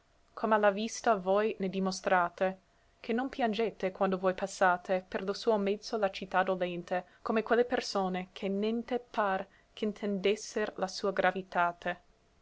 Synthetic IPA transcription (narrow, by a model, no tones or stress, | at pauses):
kʰomalːavist̪avojned̪imost̪ɾaːt̪e | kʰenːompjand͡ʒet̪ekwand̪ovojpasːaːt̪ʰeperlosuːomɛd̪z̥ːolat͡ʃit̪ːad̪olɛnt̪ʰekomekwelːepersoːnekʰenːɛnt̪epar | kʰeint̪ʰend̪esːeɾlasuːaɡɾavit̪aːt̪ʰe